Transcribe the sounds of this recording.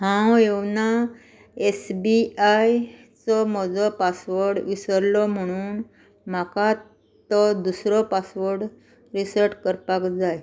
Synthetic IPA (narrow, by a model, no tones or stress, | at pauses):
ɦãwewna | esbiaj | t͡sɔm̤ɔd͡zɔpasʋəɾɽʋisəɾlɔm̤əɽ̃uːn | maka | t̪ɔd̪usɾɔpasʋəɾɽ | ɾisəɾʈkəɾpakd͡zaj